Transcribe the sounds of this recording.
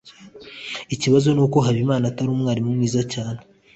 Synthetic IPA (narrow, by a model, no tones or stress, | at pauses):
iciβazo̞nuːko̞ɦaβimaːnataɾuːmŋaːɾimumŋiːzacaːn̥e